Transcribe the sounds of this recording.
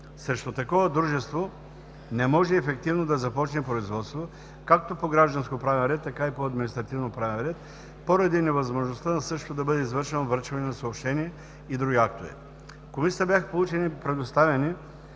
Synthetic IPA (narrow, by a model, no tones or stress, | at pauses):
sɾɛʃt̪ot̪ɐkɔvɐd̪ɾuʒɛst̪vo | nɛmɔʒɛːfɛk̚t̪ivnod̪ɐzɐpɔt͡ʃnɛpɾoizvɔt̪st̪vo | kak̚t̪opoɡɾaʒd̪ɐnskopɾavɛnɾɛt̪ːɐkaipoɐd̪minist̪ɾɐt̪ivnopɾavɛnɾɛt̪̚ | poɾɐd̪inɛvɐzmoʒnost̪anɐsɤʃt̪od̪ɐbɤd̪ɛizvɤɾʃɛnovɤɾʃvɐnɛnɐsɐopʃt̪ɛniɛ | id̪ɾuɡʲiak̚t̪ovḭ | komisi̥t̪əbjaxə̥polˠut͡ʃɛnipɾɛd̪ost̪avɛni